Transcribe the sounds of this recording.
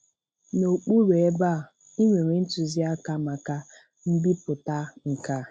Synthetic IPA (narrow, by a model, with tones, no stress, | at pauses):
no˨k͡pu˦ɾe˨e˦ba˦˨ | i˦ŋʷe˨ŋʷe˨n̩˦tu˨zi˦a˦ka˦ma˨ka˦ | m̩˦bi˦pʊ˨ta˦ŋ̩˨ka˦